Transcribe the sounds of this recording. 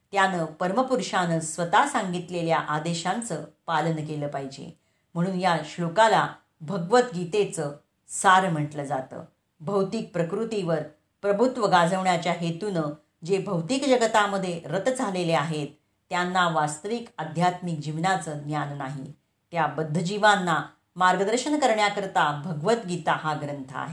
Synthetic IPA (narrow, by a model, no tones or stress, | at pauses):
t̪janəːpəɾməpuɾʂanəsʋət̪asaŋɡit̪leljaʔad̪eɕant͡səːpalənkeləːpaɦid͡ʑḛ | m̤əɽ̃uːnjaɕɭukala | bʱəɡʋət̪ɡit̪et͡səː | saɾm̤əʈləd͡zat̪ə̰ː | bʱəwt̪ik̚pɾəkɾut̪iʋəɾ | pɾəbʱut̪ʋəɡad͡zʱəʋɳjat͡ɕjaɦet̪unə | d͡ʑebʱəwt̪iːkd͡ʑəɡət̪aməd̪ʱːjeɾət̪d͡zʱaleleaɦet̪ː | janːaʋast̪əʋiːkəd̪ʱjat̪mikd͡ʑiʋnat͡səːnjanːaɦḭ | t̪jabəd̪ʱːəd͡ʑiʋanːa | maɾɡəd̪əɾɕənkəɾɳjakəɾt̪abʱəɡʋət̪ɡit̪aɦaɡɾənt̪ʰəa̰ɦe